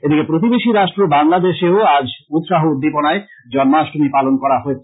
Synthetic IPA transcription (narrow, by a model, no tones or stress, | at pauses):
ed̪ikepɾot̪̬ibeʃiɾaʃʈɾobaŋlad̪eʃeoad͡ʑut̪ʃaɦoud̪ːiponae | d͡ʑɔnmaʃʈomipalonkɔɾaɦoet͡ɕʰ